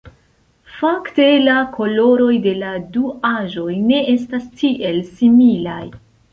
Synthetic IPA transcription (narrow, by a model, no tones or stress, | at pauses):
fakte̞lakʰo̞lo̞ɾo̞jde̞laduaʒo̞jne̞e̞stastʰiʔe̞lsimilaj